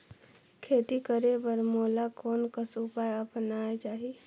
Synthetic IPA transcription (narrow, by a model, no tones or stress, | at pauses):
kʰeːt̪ikəɾebəɾmoːlakoːnkəsupaːjəpnaːet͡ʃaːɦi